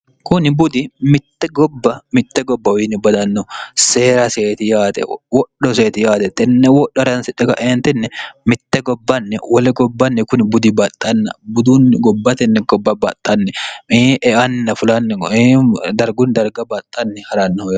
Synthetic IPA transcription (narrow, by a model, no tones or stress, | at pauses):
kʊnɪbʊd̪ɪmɪt̪ːɛɡɔbːɐmɪt̪ːɛɡɔbːɐwiːnɪbɐd̪ɐnːɔseːɾɐseːt̪ɪjaːt̪ɛ̰wɔɗːɔs̬eːt̪ɪjaːt̪ɛt̪ʼɛnːɛwɔɗːɔhɐɾɐnsɪᶑɛɡɐ̰ʔeːnt̪ɛnːɛmɪt̪ːɛɡɔbːɐnːɛwɐlɛɡɔbːɐnːɛkʊnɪbʊd̪ɪbɐt̪ʼːɐnːɐ̰bʊd̪unɡɔbːɐt̪ɛnːɛɡɔbːɐbɐt̪ʼːɐnːɛʔɛʔɐnːɐfʊlɐnːɛ | d̪ɐɾɡʊnd̪ɐɾɡɐbat̪ʼːɐnːɛhɐɾanːɐhɔj